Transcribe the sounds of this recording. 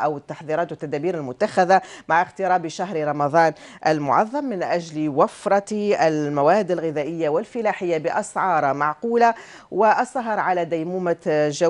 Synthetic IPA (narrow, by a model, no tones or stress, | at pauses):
ʔawɪt̪ːɑħðˤiːɾɑːt̪wɪt̪ːad̪aːbiːɾɪlmʊt̪ːaxaðamaʕɪxt̪ɪɾˤɑːbiʃaɦɾɾˤɑmɑd̪ˤɑːn | ʔalmʊʕɑ̰ðˤːɑmːɪnʔaʒlwafɾˤɑalmawaːhɪd̪ːɪlɣɪðaːʔɪjːawɪlfɪlaːħɪjːabɪʔɑsʕɑːɾˤmaʕquːla | wɪʔɑsˤːɑɦɑɾˤʕalad̪ajmuːmaʒa